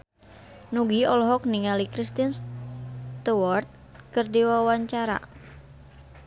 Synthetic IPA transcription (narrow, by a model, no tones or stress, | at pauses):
nuɡiɔlɔɦɔk̚niŋalikɾist̪ins | t̪uwɔrt̪̚ | kɨrdiwawaɲt͡ʃaɾa̰